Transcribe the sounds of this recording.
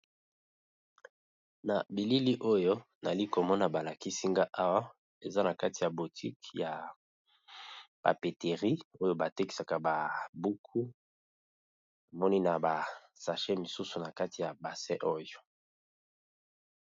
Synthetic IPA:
na˨bi˨li˦li˦ʔo˦jo˦na̰˨li˦ko˨mɔ˦na˨ba˨la˨ki˦si˦ŋɡa˦ʔa˦wa˦ | e˨za˦na˨ka˦ti˨ja˨bu˨tʰi˦kja˨ | pa̰˨pe˨te˨ʁi˦o˦jo˦ba˨te˦ki̥˨sa˨ka˨ba˨bu˦kʰu˦ | a˨mɔ˦ni˦na˨ba˨ | sa˨ʃe˦mi˨su˦su˨na˨ka˦ti˨ja˨ba˨sɛ˦ʔo˦jo˨

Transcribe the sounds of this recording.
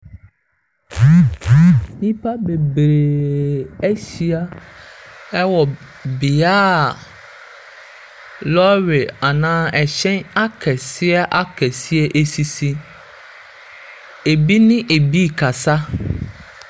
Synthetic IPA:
nĩ˦pʰa˦be˨bɾe˨ɛ˦ɕi˦a˦ | ɛ˦wɔ˨ | bi˨aː˦˨ | lɔ˦ɥe˨a˨nãː˦ɛ˨ɕɛ̃˦na˦kʰɛ˨sɪ˦ɛ˦ʔa˦kʰɛ˨si˦ɛ˦ʔe˦si˦si˦ | e˨bi˦nɪ̃˦ʔe˨bi˦˨kʰa˨sa˦

